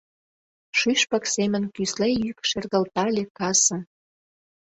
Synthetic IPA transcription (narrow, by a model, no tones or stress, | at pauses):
ʃyʃpɑksemə̆nkyslejykʃerɣəlt̪ɑlʲekɑsə̆m